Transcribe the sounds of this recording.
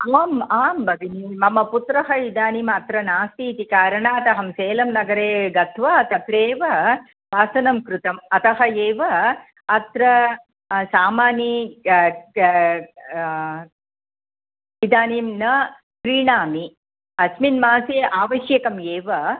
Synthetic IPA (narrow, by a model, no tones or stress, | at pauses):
ɐʋaːmaːmbɐʋinimɐmɐput̪ɾɐɦɐid̪aːnimɐt̪ɾɐnaːst̪iːt̪ikaːɾɐɳaːt̪ɐɦɐmseːlɐmnɐɡɐɾeːɡɐt̪ʰʋɐɐt̪ɐt̪ɾeːʋɐ | ʋaːsɐnɐmkɾut̪ɐmɐt̪ɐɦɐeːʋɐː | t̪ɾɐ | saːmaːni | id̪aːnimnɐ | pɾiːɳaːmi | ɐsminmaːseʔaːʋɐʃjɐkɐmeːʋɐ